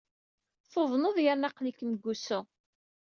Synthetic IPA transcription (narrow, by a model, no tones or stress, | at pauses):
θoðˤnoðjaɾnɑqlikːməɡːusʊ